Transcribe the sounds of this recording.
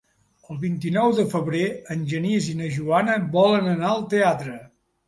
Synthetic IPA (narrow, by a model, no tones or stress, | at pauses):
əlˠβint̪inɔwðəfəβɾeənʲʒənizinəʒuanəβɔlənənaəlˠt̪eat̪ɾə